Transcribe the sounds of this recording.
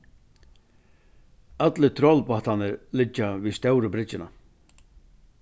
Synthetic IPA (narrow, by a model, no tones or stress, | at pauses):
at̪lɪt̪ʰɾɔlpaht̪anɪɾlɪt͡ʃːavist̪œwɾəbɾɪt͡ʃːɪna̰